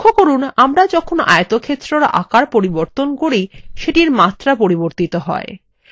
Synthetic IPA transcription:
kʰːokoɾunamɾad͡ʑɔkʰona̰jt̪okʰet̪ːɾoɾʔa̰kaɾpoɾiboɾt̪onkoɾiʃeʈiɾmat̪ːɾapoɾiboɾt̪it̪oɦɔ̰e

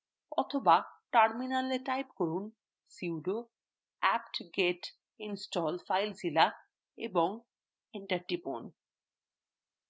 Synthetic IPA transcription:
ɔt̪ʰobaʈaɾminaleʈajpkɔɾun | siuɖo | ɛpʈɡeʈ | insʈɔlfajld͡ʑila | ḛbɔŋ | eɳʈaɾʈipo̰n

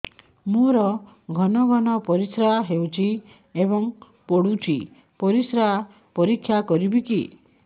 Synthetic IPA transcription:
moɾɔ | ɡʱɔnɔɡʱɔnɔpɔɾisɾaɦewt͡ʃʰi | ebɔŋ | poɽut͡ʃʰi | pɔɾisɾaa | pɔɾikʰːjakɔɾibiki

